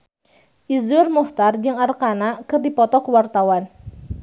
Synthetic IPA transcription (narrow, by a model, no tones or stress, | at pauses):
ʔizʊrmuft̪ard͡ʒɨŋarkanakɨrdipɔt̪ɔkəwart̪awan